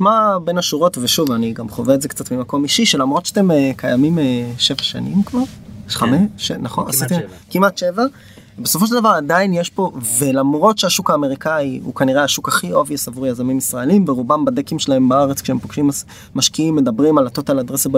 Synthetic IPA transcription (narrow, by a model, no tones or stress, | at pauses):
mabenaʃuʁo̞tveʃuvaniɡamχoveezekt͡satmimakomiʃiʃelamʁotʃat̪emekʰajamimeʃevaʃa̰nḭmkvaʁχameenaχonasit̪i | kimatʃeva | beso̞fo̞ʃ̬eldavaʁadainjeʃpo̞velamʁotʃeaʃukaːme̞ʁikaiṵkaniʁeaʃukaχiʔo̞viasavuʁjazamimisʁaelimveʁubambadekimʃelahe̞mbaaʁet͡skʃeempoɡ̥ʃims | maʃkiimːedabʁimalatotalad̪ʁesab